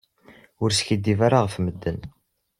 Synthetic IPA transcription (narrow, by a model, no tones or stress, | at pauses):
ʊɾsçəd̪ːivaɾaʁfməd̪ːən